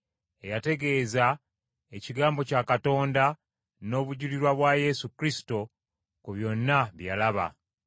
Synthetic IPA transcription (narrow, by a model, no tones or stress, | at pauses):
e̞jate̞ɡe̞ːza | e̞ciɡaːmbo̞caːkato̞ːnda | no̞ːβuɟuliɾwaβwaje̞sukɾisi̥to̞ | kuβjo̞nːaβjalaβa̰